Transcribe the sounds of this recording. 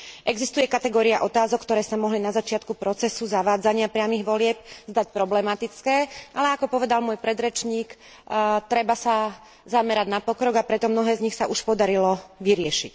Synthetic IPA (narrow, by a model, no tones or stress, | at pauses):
ʔɛɡzist̪ujɛkat̪ɛɡɔːɾiaʔɔt̪aːzɔkːt̪ɔɾɛːsamɔɦlinazat͡ʃɪat̪kupɾɔt͡sɛsuzaʋaːd͡zaɲɪapɾɪamiɣʋɔlɪɛp̚zd̪ac̚pɾɔblɛmat̪it͡skɛːʔalɛakɔpɔʋɛd̪almʊɔjpɾɛd̪ɾɛt͡ʃɲiːk | t̪ɾɛbasa | zamɛɾaɟnapɔkɾɔɡapɾɛt̪ɔmnɔɦɛːzɲixsaʔuʃpɔd̪aɾilɔʋiɾɪɛʃic